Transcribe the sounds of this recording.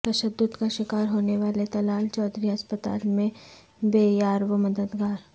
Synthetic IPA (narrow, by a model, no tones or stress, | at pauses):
t̪ɐʃəd̪ːʊd̪kaʃɪkaːɾɦoːneʋaːlet̪ɐlaːlt͡ʃɔːd̪ɾiɐspət̪a̰ːlmẽ | beːjaːɾʋəmɐd̪əd̪ɡaːɾ